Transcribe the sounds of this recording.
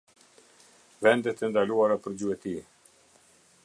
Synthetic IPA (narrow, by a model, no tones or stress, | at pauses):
vɛnd̪ɛt̪ɛnd̪aluaɾapəɾd͡ʑuɛt̪i